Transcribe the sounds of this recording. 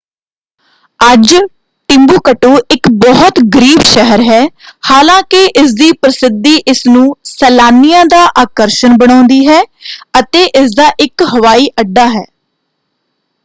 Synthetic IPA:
əd͡ʒ | ʈɪmbuːkəʈoːɪkbɔɦt̪ɡəɾiːbʃɛɦəɾɦɛːhaːlãːkɪʔɪsd̪iːpɾəsɪd̪iːʔɪsnũːsɛːlaːnijãːd̪aːʔaːkəɾʃənbəɽ̃ãːnd̪iːɦɛːət̪eːʔɪsd̪aːʔɪkɦəʋaːiːʔəɖːaːɦɛː

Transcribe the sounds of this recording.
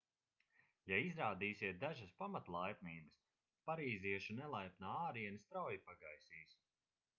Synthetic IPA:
jaizɾaːd̪iːsiɛt̪̚d̪aʒɐspamat̪lˠajpniːbɨs | paɾiːziɛʃunɛlˠajpnaːaːɾiɛnist̪ɾawjipaɡajsiːs

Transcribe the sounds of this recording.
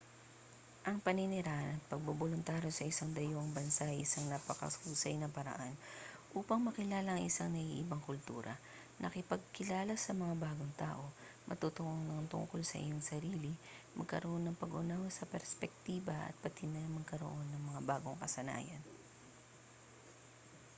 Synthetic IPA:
ʔɐŋpɐnɪnɪɾaʔɐnɐt̪̚pɐɡ̚bobolʊnt̪aːɾjo̞sɐʔɪsaŋd̪ɐjoʔŋbɐnsaɪsɐŋnapɐkɐ̰suːsɐjnɐpɐɾɐ̰ʔanʔuːpɐŋmɐkɪlaːlɐʔɐŋʔɪsaŋnɐʔiʔɪbɐŋkʊlt̪ṵːɾɐ̰ | nʔɐkɪpɐɡ̚kɪlaːlɐsɐmɐŋabaːɡo̞ŋt̪a̰ːʔo̞ | mʔɐ̰t̪ut̪ʊʔoŋnɐŋt̪ʊ̰ŋko̞lsɐ̰ʔɪ̰joŋsɐɾiːlimʔɐɡ̚kɐɾoʔo̞nːɐŋpɐɡʔʊnahosɐpɛɾspɛk̚t̪iːbɐʔɐ̰t̪̚pɐt̪inɐŋmɐɡ̚kɐɾo̞̰ʔo̞nːɐŋmɐŋabaːɡo̞ŋkɐsɐna̰ːjɐ̰n

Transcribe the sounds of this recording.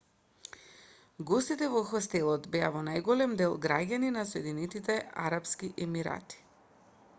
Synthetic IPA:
ɡɔst̪it̪ɛvɔxɔst̪ɛlˠɔt̪bɛavɔnajɡɔlɛmd̪ɛlˠɡɾaɟaninasɔɛd̪inɛt̪it̪ɛa̰ɾapskiʔɛmiɾa̰t̪i̥

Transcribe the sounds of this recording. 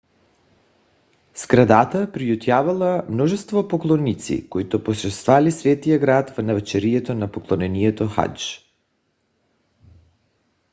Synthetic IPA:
skɾad̪at̪apɾijut̪javalˠamnɔʒɛst̪vɔpoklˠɔnit̪sḭkoit̪oposɾɛst̪valisvɛt̪ijaɡɾat̪vnavɛt͡ʃɛɾiɛt̪ɔnapɔklˠɔnɛniɛt̪ɔxa̰t͡ʃ

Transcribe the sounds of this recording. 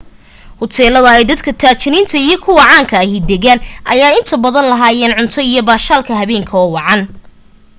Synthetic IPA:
hʊt̪ʰɛːlɐðɐɛjd̪ɐd̪kʰɐt̪ʰaːt͡ʃʰɪnint̪ʰɐijɞkʰʊwɑʕɑːŋkʰɐɦɪd̪ɛɣaːnʔɐjaːɪnt̪ʰɐbɐðɐnlɐɦaːjɛːnʕʊnt̪ʰɔijɞbaːʃaːlkʰɐɦɐβɛːŋkʰɐɔːwɑʕɑn

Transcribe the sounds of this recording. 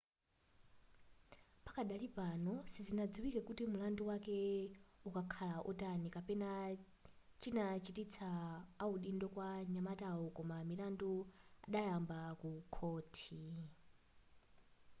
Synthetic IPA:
pakaɗalipanɔsizinad͡ziwikɛkutimulanduwakɛukakʰalaʔɔ̰tanikapɛna | t͡ʃinat͡ʃitit͡sʰaːuɗindɔkwaɲamataɔkɔmamilandua̰ɗajambakukʰɔːtʰi

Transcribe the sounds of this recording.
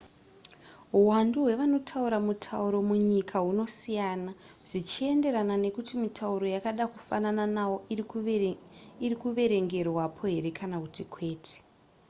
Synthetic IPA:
ɦuwanduɦwe̞ʋano̞tʰauɾamutʰauɾo̞muɲikʰaɦuno̞sijaːna | ʐ̥it͡ʃie̞nde̞ɾanane̞kutimitʰauɾo̞jakaɗakufa̰nananawo | iɾikuʋe̞ɾe̞ŋɡe̞rwapʰo̞ɦe̞ɾe̞kʰanakutikʰwe̞ːtʰe̥

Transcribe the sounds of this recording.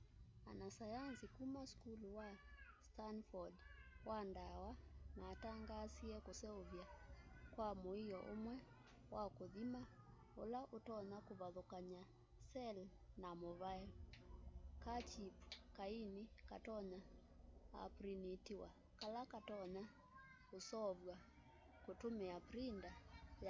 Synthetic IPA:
a̰nasajansikumaskuluwastanfɔdwandawamataŋɡasiɛkɔsɛuvjakwamɔijɔʔɔmwɛ | wakɔðima | ɔ̰laʔutɔnakuβaðɔkaɲa | sɛl | namoβajɔ | kat͡ʃipu̥kainikatɔɲa | a̰pɾinitiwa | kalakatɔɲa | kosɔβwa | kotomeapɾindaj

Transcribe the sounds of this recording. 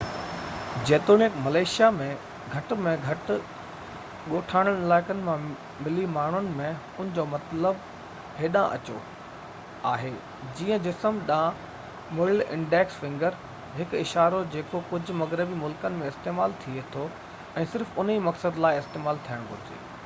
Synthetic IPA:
d͡ʑeːt̪oːnɪkmɐleːʃijamẽ | ɡʱɐʈ̆mẽɡʱɐʈ | ɠoːʈʰaːɽ̃əɽ̃ɪlaːɪkənɪ̆mã | mɪlimaːɳ̤ʊnɪ̆mẽ | ʊnɪ̆d͡ʑoːmɐt̪ləb | ɦeːɗãʔɐ̰t͡ɕo̰ | aːɦeː | d͡ʑiːə̃d͡ʑɪsəmɗãː | mɪlɪ̰̃ɳɖɛːksfɪ̃ŋɡəɾ | ɦɪkɪʃaːɾod͡ʑeːkokʊd͡ʑʱʊ̆mɐɣɾɪbimʊlkənɪ̆mẽɪst̪eːmaːlt̪ʰiet̪ʰo | ɛ̃ːsɪɾfʊn̤imɐksəd̪laːɪɪst̪eːmaːlt̪ʰijəɽ̃ɡʱʊ̰ɾzḭː

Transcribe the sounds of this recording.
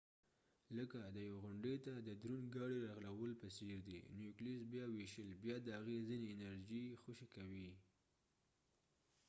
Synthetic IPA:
ləkad̪əjaweɣʊɳɖet̪ad̪əd̪ɾunɡɑɽiɾɑɣlawəlpəseɾd̪ḭnjuklisbjɑweʃəlbjɑd̪əhaɣezineːnaɾʒixʊʃekawi

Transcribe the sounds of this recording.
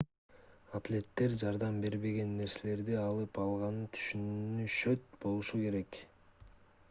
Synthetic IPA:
at̪lʲe̞t̪ːe̞ɾd͡ʒɑɾd̪ɑmbe̞ɾβe̞ɡe̞nːe̞ɾse̞le̞ɾd̪iɑlˠɯpɑlˠʁɑnɯt̪ʰy̥ʃynyʃø̞t̪̚bo̞lˠuʃuke̞ɾe̞k

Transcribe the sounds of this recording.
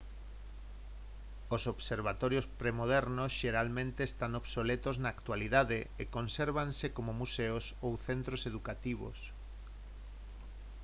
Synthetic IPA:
osoβseɾβat̪ɔɾjospɾemoðɛɾnosʃeɾalmẽnt̪eːst̪aŋoβsolet̪oznaːkt̪waliðaðeekonseɾβansekomomuseosowθent̪ɾoseðukat̪iβo̰s

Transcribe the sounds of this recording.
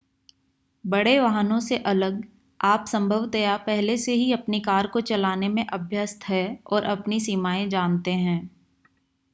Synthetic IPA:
bɐɽeʋaɦənõseʔɐləɡ | aːpsɐ̃mbʱəʋt̪ɐjapɛɦleseɦiɐpnikaːɾkot͡ʃɐlaːnemẽʔɐbʱjəst̪ɦɛɔːɾʔɐpnisiːmaːẽd͡ʒaːnt̪eɦɛ̃ː

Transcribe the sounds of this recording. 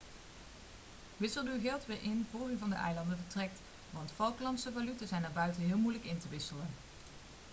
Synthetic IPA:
ʋɪsəlˠyɣɪlˠtʋɪːɹʔɪnvoːɹyvɑndə̰ʔɛ̰jlɑndəvəɹtrɛk̚t | ʋɑntfɑlˠklɑntsəvalytəzɛjnaːɹbœɥtənɦɪːlˠmujləkɪntəʋɪsələn

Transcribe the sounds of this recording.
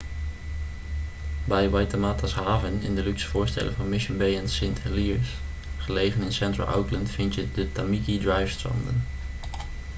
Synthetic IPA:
bɛjwajtamaːtasɦaːvənɪ̰ndəlyksfʊːɹstɛ̰lə̰vɑnmɪʃənbejɛnsɪntʰɛliɹs | χəlejvənɪnsɛntɹə̰lˠʔa̰wkləntfɪntjədətamikidɹajfstɹɑ̰ndə̰n

